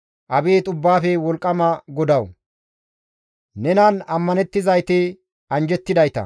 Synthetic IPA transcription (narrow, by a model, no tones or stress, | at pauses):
ʔɐbeːt̪ʼʊbːaːfɛwɔlkʼːɐmɐɡɔd̪ɐw | nɛnɐnɐmːɐnɛt̪ːɪzɐjt̪ɪ | ɐnd͡ʒɛt̪ːɪd̪ɐjt̪ɐ̰